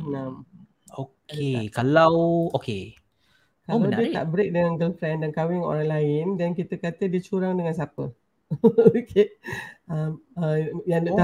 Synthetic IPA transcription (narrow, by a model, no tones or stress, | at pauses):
nam | okekalawoke | kalawdiət̪a̰ʔbəɾɪk̚dəŋanɡəlfɾɛ̃ndankawɪŋo̰ɾaŋlaɪndɛnkit̪əkat̪ədiət͡ʃuɾaŋdəŋans̬apə | okʰe | əməjaŋdt̪a